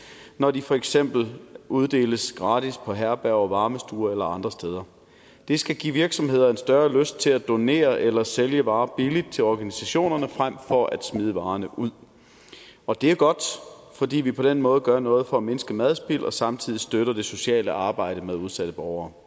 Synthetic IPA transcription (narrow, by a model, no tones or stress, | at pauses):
nɒd̥ifɒ̽eɡ̥sem̰b̥l̩ʔuð̞ˠd̥e̝̰ːləsɡ̥ʁɑ̈ːd̥ispʰɒ̽ɦæɐb̥æʊɒʋɑ̈ːməsd̥uːɐelɐɑ̈nd̥ʁɐsd̥eːð̞ˠɐ | d̥e̝sɡ̥æɡ̥ḭʋiɐɡ̥sɒ̽mhe̝ð̰ˠɐe̝nsd̥ɶɐløsd̥̚t͡sʰe̝læd̥o̝ne̝̰ːɐʔelɐseljəʋɑ̈ːb̥ilid̥̚t͡sʰe̝lɒːɡ̥ænisæɕo̝̰ːnɐnəfʁam̰fɒ̽æd̥smið̞ˠəʋɑ̈ːnəʔuð̰ˠ | ɒ̽d̥e̝æɐɡ̥ɒ̽d̥fɒ̽d̥ḭːʋipʰɒ̽d̥enmɔ̽ːð̩ˠɡ̥ɶɐnɔ̽ːð̞̩ˠfɒ̽æme̝nsɡ̥əmæðˠsb̥ilʔɒ̽sɑ̈mt͡sʰið̰ˠisd̥øɾ̥ɐd̥e̝so̝ɕɛ̰ːləɑ̈ːb̥ɑ̈ɪ̰ɾ̥əmeðˠuð̞ˠsæd̥əb̥ɒʊɐː